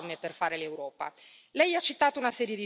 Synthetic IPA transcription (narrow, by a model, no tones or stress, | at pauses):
mːeperfaːɾelewɾɔːpa̰lɛjat͡ʃːit̪ːaːt̪ounasɛːɾjed̪i